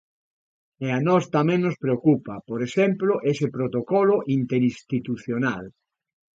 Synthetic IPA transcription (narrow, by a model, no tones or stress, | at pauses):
eanɔst̪amɛ̃ŋnospɾeokupɐpoɾeʃɛmploʔesepɾot̪okɔloʔint̪eɾist̪it̪uθjonal